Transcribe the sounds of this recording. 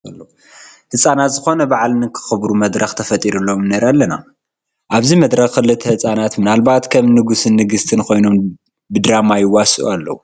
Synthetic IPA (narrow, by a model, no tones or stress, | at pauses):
ɐlːɐ | hɨsʼanat̪zɨxo̞nɐbaʕalnɨkʰɨ̥xɨbɾumɐd̪ɾɐxt̪ʰɐfɐt̪ʼiɾulːomɨnɐɾalːɐna̰ | ʔaβzimɐd̪ɾɐxxɨlɨt̪ʰɐhɨsʼanat̪mɨnalbat̪kʰɐmnɨɡusɨnːɨɡɨst̪ʰɨnkʰo̞jno̞m | bɨd̪ɾamajɪwasʔṵalːɐ̰wu